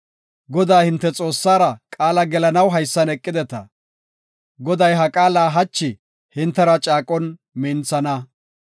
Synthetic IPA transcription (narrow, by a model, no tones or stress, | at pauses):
ɡɔd̪aːhɪnt̪ːɛt͡sʼo̞ːsːaːɾɐkʼaːlɐɡɛlɐnɐwɦɐjsːɐnɛkʼːɪd̪ɛt̪ɐ̰ | ɡɔd̪ɐjɦɐkʼaːlaːɦɐt͡ʃːɪ | hɪnt̪ːɛɾɐt͡ʃʼaːkʼɔn | mɪnt͡sɐnɐ